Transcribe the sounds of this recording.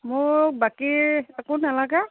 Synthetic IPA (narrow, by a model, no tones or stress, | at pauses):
mʊkbakiakonalaɡa